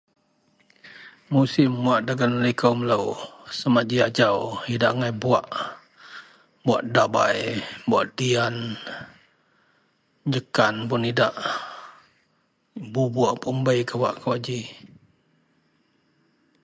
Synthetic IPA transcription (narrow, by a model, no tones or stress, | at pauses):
musimːuaʔdaɡanlikəmələwsəmaʔd͡ʒiad͡ʒawidaʔŋajbuaʔ | buaʔdaba̰jbuaʔdian | ɲd͡ʒəkanpʊnidaʔ | bubaʔpumbəjkəwaʔkwaʔd͡ʒi